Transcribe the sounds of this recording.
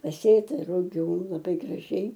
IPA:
pɐˈsʲeːtɐ rʊˈɡʲuː lˠɐˈbɐɪ ɡrɐˈʒʲɛɪ

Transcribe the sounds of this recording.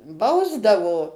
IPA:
ˈbɐʊzdɐʋoː

